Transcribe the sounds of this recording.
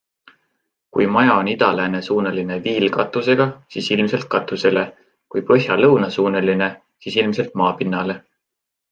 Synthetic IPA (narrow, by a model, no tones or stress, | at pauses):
kujmɑjɑonid̪ɑlæːne̞suːneline̞viːlkɑt̪ːˑuse̞ɡ̥ɑsiːsilmse̞lt̪̚kɑt̪ːˑuse̞le̞ | kujpɤɦjɑlɤwnɑsuːneline̞ | siːsilmse̞lt̪̚mɑːpinːɑle̞